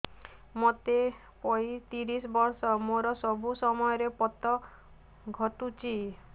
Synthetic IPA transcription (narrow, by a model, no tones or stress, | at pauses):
mot̪e | pɔit̪iɾisɔbɔɾsɔmoɾɔsɔbusɔmɔjɔɾepɔt̪ɔ | ɡʱɔt̪ut͡ʃʰi